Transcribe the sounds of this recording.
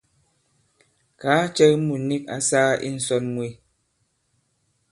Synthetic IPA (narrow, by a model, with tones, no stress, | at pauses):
kaː˨˦t͡ʃɛ˦mu˨ni˦k̚a̰˦saː˦ḭ˦n̩˨˦sɔ˦nmwi˨